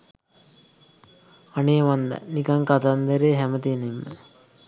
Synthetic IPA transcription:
aneːʋand̪a̰nikɐŋkat̪and̪ɐɾeːɦæmət̪iənemːə

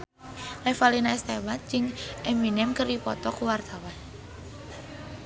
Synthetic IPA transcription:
lɛfalinaɛst̪ɛbat̪̚d͡ʒɪŋʔɛminɛmkəripɔt̪ɔkuwart̪awan

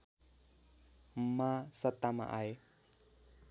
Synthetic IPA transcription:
masat̪ːama̰ʔaj

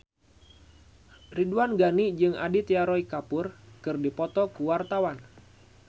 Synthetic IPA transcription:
riduanɡanid͡ʒɨŋa̰dit̪eaɾɔikapʊrkɨrdipɔt̪ɔkuwart̪awan

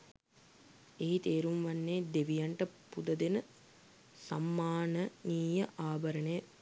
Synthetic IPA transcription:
eɦit̪eːɾumʋɐnːeːd̪eʋijɐɳʈɐpud̪ɐd̪enə | sa̰mːaːnəniːjɐʔaːbɐɾɐnejɐ

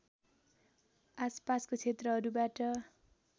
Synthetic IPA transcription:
aspaskot͡sʰet̪rʌɦʌɾubaʈʌ

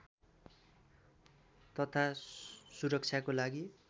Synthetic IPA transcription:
t̪ʌt̪ʰasuɾʌk̚t͡sʰjakolaɡi

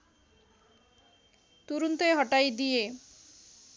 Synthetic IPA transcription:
t̪uɾunt̪eɦɔʈajd̪ie

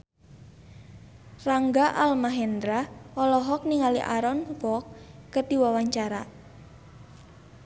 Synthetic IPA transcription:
raŋɡaʔalmaɦɛnd̪ɾaɔlɔɦɔk̚niŋalḭʔa̰ɾɔnkɔkːəd̪̥iwawaɲt͡ʃaɾa

